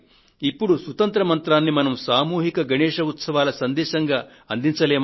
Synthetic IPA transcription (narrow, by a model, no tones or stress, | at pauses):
ipːuɽusʋɐt̪ɐnt̪ɾɐmɐnt̪ɾaːnːimɐnɐmsaːmuːɦikɐɡʱɐɳɛːʂɐut̪sɐʋaːlɐsɐnd̪ɛːʃɐŋɡaː | ɐnd̪iɲt͡ʃɐleːm